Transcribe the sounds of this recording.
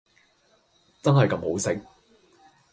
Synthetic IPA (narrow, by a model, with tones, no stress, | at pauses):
t͡sɐ˥nɦɐ˨jkɐ˧˥mho˨˥wsɪ˨k̚